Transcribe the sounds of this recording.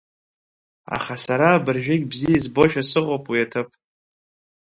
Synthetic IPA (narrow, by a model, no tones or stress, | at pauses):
a̰χasaɾaːbɨrʒᶣɪɡʲbzijjazbo̞ʃᶣasɨqʼopʼwiatʰɨpʼ